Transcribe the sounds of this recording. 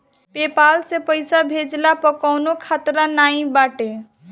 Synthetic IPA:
pepalsẽpəjsabʱed͡ʒlapəkəwnokʰat̪ɾənaĩbaʈe

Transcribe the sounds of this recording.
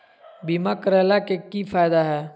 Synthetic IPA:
biːmakəɾɛːlakekifaːjɪd̪aɦɛː

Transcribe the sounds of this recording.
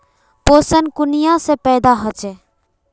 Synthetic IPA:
posənkʊnijãsepɛːd̪aɦɔt͡ʃe

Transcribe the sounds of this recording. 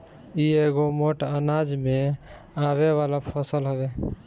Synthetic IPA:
ieɡomoʈanad͡ʒmẽ | aβewalapʰɔsəlɦɔbe

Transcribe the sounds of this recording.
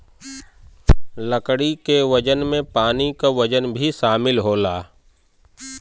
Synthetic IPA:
ləkɽikeʋəd͡ʒənmẽpaːnikaʋəd͡ʒənbʱiʃaːmɪlɦoːlaː

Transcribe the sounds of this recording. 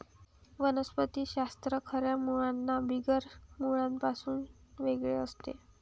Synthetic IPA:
ʋənəspət̪iːɕast̪ɾəkʰəɾjamuɭanːabʱiɡəɾmuɭãmpasuːnʋeɡɭeəst̪ḛ

